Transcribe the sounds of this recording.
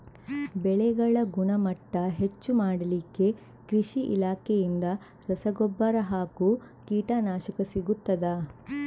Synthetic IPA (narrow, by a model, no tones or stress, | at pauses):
bɛɭɛɡɐɭɐɡuɳɐmɐʈːɐɦet͡ʃːumaːɽɐlikːe̞ | kɾiʃiʔḭlaːkʰejind̪ɐ | ɾɐsɐɡɔbːɐɾɐɦaːku | kiːʈaːnaːʃɐkɐsiɡut̪ːɐd̪ɐ